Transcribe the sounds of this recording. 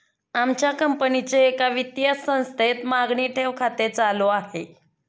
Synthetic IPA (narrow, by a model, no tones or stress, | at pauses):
amt͡ɕjakəmpənit͡seːkaʋit̪jəsə̃w̃st̪ʰet̪maɡɳiːʈʰeʋkʰat̪et͡saloaɦe